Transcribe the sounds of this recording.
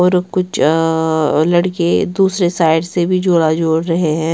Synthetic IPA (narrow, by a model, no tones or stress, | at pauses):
ɔːɾkʊt͡ʃʰ | lɐɽked̪uːsɾesaːɪɖsebʱid͡ʒoːɽad͡ʒoːɽɾɐɦeɦɛ̃ː